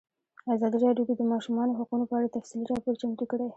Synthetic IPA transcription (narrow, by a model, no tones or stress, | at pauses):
azɑd̪iɾɑɖjod̪ed̪əmɑʃumɑnoɦaqunopəaɽat̪afsiliɾɑpoɾt͡ʃamt̪ukəɽe